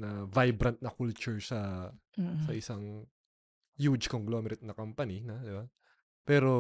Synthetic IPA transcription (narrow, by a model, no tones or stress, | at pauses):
nɐvajbɾɐnt̪̚nɐkult͡ʃʊɹsɐ | sɐʔɪsaŋ | jud͡ʒkoŋɡlomɛɾɪt̪̚nɐkɐmpɐninɐd̪ɪba | pɛːɾo